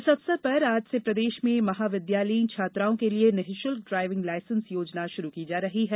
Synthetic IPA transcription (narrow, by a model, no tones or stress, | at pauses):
sɐbsɐpɐɾaːd͡ʒsepɾɐd̪eːʃmẽmɐɦaːʋɪd̪jaːləit͡ʃʰaːt̪ɾaːõkelienɪɦɪʃʊlɖɾaːɪʋɪ̃ŋɡlaːɪsə̃nsjoːd͡ʒnaʃʊɾukid͡ʒaːɾɐɦiɦɛː